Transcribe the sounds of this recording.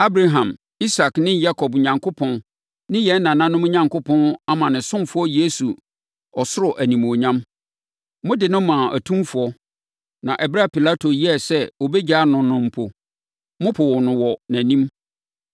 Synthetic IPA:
a˦bɾa˨ɦã˨m | i˦sa˨knɪ̃˦ja˦kʰɔ˨bɲã˨ŋkʰʊ˦pʰɔ̃˦n | nɪ̃˦jɛ˨˦n˦nã˨nã˦nʊ̃˦mʊ̃˦ɲã˨ŋkʊ˦pʰɔ̃˦na˦mã˨nɪ̃˨sʊ̃˦mfʊ˦ɔ˦je˦su˨ | ɔ˨sʊ˦ɾɔ˨ʔæ˨nĩ˨m˨o˨ɲã˦m | mʊ̃˦dɪ˨nʊ̃˦mã˨ʔæ˨tʰũ˦mfʊ˨˦ɔ˦ | nã˨ʔɛ˨bɾa˦pi˨la˦tʰo˨ji˦ɛ˦˨sɛ˦o˨bɛ˦d͡ʑa˦nʊ̃˨nʊ̃˨m̩˨pʰo˨ | mʊ̃˦pʰʊ˨wɔ˨nʊ̃˨wɔ˨næ̃˨nĩ˦m

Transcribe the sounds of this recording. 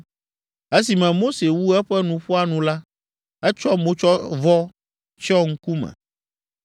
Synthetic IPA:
e˦si˨mɛ̃˨mo˦se˨wu˦ɛ˦ɸɛ˦nũ˨ɸɔ˦a˦nũ˨la˦ | ɛ˦t͡ʃɔ˦mõ˦t͡ʃɔ˦vɔ˦ | t͡ʃɔ˦ŋ̩˦ku˦mɛ̰̃˨

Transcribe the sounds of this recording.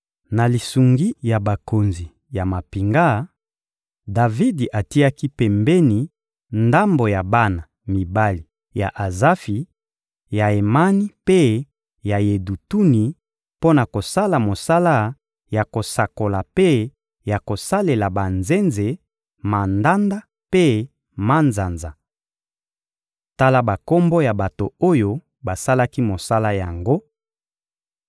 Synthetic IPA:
na˨li˨su˨ŋɡi˦ja˨ba˨ko˨nzi˨ | ja˨ma˨pi˨ŋɡa˦ | da˨vi˦di˨ʔa˨ti˦a˦ki˦pɛ˨mbɛ˦ni˨ | nda˦mbo˨ja˨ba˦na˨ | mi˨ba˦li˨ | ja˨ʔa˨za˦fi˨ | ja˨e˨ma˦ni˦pe˦ | ja˨je˨du˨tu˦ni˨ | po˦na˨ko˨sa˦la˨mo˨sa˦la˦ | ja˨ko˨sa˨ko˨la˨pe˦ | ja˨ko˨sa˦le˨la˨ba˨nze˦nze˨ | ma˨nda˦nda˦ | pe˦ | ma˦nza˨nza˨ | ta˦la˦ba˨ko˦mbo˦ja˨ba˨to˨o˦jo˦ | ba˨sa˦la˦ki˦mo˨sa˦la˦ja˨ŋɡo˦

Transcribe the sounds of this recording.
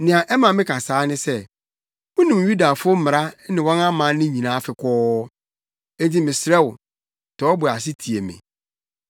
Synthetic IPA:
nɪ̃˨ã˨ʔɛ˦mã˨mɪ̃˦kʰa˨saː˨˦nɪ̃˦sɛ˦ | mʊ̃˦nũ˨mju˦da˨fʊ˦o˦m̩˦mɪ˨ɾa˦nɪ̃˨wɔ̃˦nã˦mã˨˦nɪ̃˦ɲĩ˨nãː˨˦fɪ˨kʰɔː˦ | ẽ˦nti˦mɪ̃˨sɪ˨ɾɛ˦wʊ˨ | tʰɔː˨˦bʊ˨a˨s̬ɪ˦tʰi˨e˨mɪ̰̃˨

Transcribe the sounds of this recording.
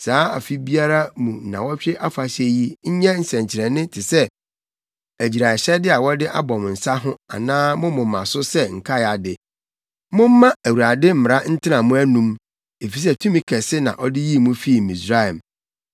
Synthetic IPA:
saː˨˦a̰˨fi˦bi˦a˦ɾa˦mũ˨nã̰˨wɔ˦ɕᶣɪ˦ʔa˦fa˨ɕɛ˦ji˦ɲ̩˦ɲɛ̃˦n̩˨sɛ̃˨ɲ˨t͡ɕʰɪ˨ɾɛ̃˨nɪ̃˦tʰɪ˨sɛ˦ | æ˨d͡ʑi˨ɾa˨ɕɛ˦dɪ˦a˨wɔ˦dɪ˦ʔa̰˦bɔ˨m˨n̩˨sa˦ɦʊ̃˦a̰˨nãː˦mʊ̃˦mʊ̃˨m̩ː˦ã̰˨sʊ˦sɛ˦ŋ̩˨kʰa˦˨a˨dɪ˨ | mʊ̃˦m̩ː˦ã˦æ˨wu˨a˨dɪ˦m̩˦˨m˨ɾa˦n̩˦tʰɪ˦nã˨mũ˦æ˦nũ˦m | e˨fi˨sɛ˦tʰũ˦mĩ˨kʰɛ˨sɪ˦nã̰˨ʔɔ˦dɪ˦ji˦˨mũ˦fi˦˨mĩ˨sɾa˦ɛ˨m

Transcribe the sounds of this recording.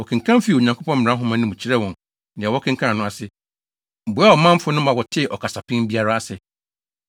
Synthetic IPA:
ɔ˨kʰɪ̃˨ŋ̩˨kʰã˦m˦fi˦˨o˨ɲã˨ŋkʰo˦pɔ̃˦m̩˦m̩˨ɾã˦ɦʊ̃˦mã˦nɪ̃˦mũ˨t͡ɕʰi˦ɾɛ˦wɔ̃˨n | nɪ̃˨a˨wɔ˦kʰɪ̃˦ŋ̩kʰã˦a˨nʊ̃˦a˨sɪ˦˨ | bʊ˨˦a˦ɔ˨mã˦m˦fʊ˦nʊ̃˦mã˨wɔ˨tʰɪ˦˨ʔɔ˨kʰa˨sa˨pʰɪ̃˦bi˦a˦ɾa˦a˦˨sɪ˨

